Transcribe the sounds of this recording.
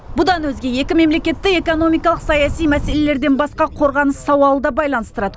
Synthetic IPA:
bʊd̪ɑnwɵzɡʲe̞je̞kʲɪme̞mle̞kʲe̞t̪ːɪe̞ko̞no̞mijkɑlˠəqsɑjɑsijmæse̞le̞le̞ɾd̪e̞nbɑsqɑqʰo̞ɾʁɑnəsːɑwɑlˠəd̪ɑbɑjlˠɑnəst̪əɾɑd̪ə

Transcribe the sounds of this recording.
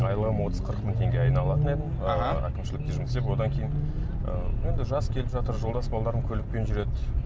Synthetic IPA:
ɑjəlˠəʁəmwot̪əzqʰəɾəqmɪŋt̪ʰʲe̞ŋɡʲeɑjnɑlˠɑt̪əne̞d̪ɪnæ̰kʲɪmʃɪlɪk̚t̪eʒʊməsepwo̞d̪ɑŋkʲʰejɪn | ə̰e̞nd̪ɪʒɑskʲʰe̞lɪpʒɑt̪əɾʒo̞lˠd̪ɑsbɑlˠd̪ɑɾəmkʲʰɵlɪk̚pe̞nʒʏɾe̞d̪ɪ

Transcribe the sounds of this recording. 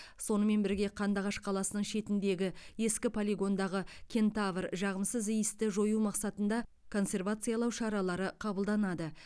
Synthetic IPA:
so̞nəme̞nbɪɾɡʲe̞qʰɑnd̪ɑʁɑʃqʰɑlˠɑsənəɴʃe̞t̪ɪnd̪e̞ɡʲɪje̞skʲɪpʰo̞lʲiɡo̞nd̪ɑʁəkʲʰe̞nt̪avərʒɑʁəmsəzijəst̪ɪʒo̞jumɑqsɑt̪ənd̪ɑ | kʰo̞nse̞rvat̪sɨjalˠɑwʃɑɾɑlˠɑɾəqʰɑbəlˠd̪ɑnɑd̪ə

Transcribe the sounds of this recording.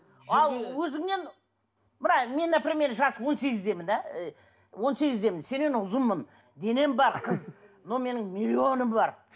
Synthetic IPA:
ɑlˠwɵzɪŋne̞n | mənɑme̞nd̪eprʲemʲe̞ɾʒɑsəwo̞nse̞ɡʲɪzd̪e̞mɪnd̪æ | wo̞nse̞ɡʲɪzd̪e̞mɪnse̞ne̞nʊzəmːən | d̪e̞ne̞mbɑɾqʰəz | nome̞nɪŋmʲilʲːio̞nəmbɑɾ

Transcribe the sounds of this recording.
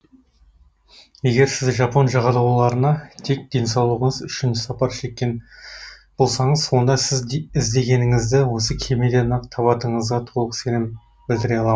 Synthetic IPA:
je̞ɡʲe̞ɾsɪzʒɑpo̞nʒɑʁɑd̪ɑwlˠɑɾənɑt̪ʰe̞k̚d̪̥e̞nsɑwlˠəʁəɴəzʏʃɪnʃɪ̥sɑpɑɾʃe̞kʲːe̞n | b̥olˠsɑɴəzso̞nd̪ɑsɪzɪzd̪e̞ɡʲe̞nɪŋɪzd̪ɪwo̞s̬əkʲʰe̞med̪e̞nɑqt̪ʰɑβɑt̪əɴəzʁɑt̪ʰo̞lˠəqse̞nɪm | bɪld̪ɪɾeɑlˠɑ

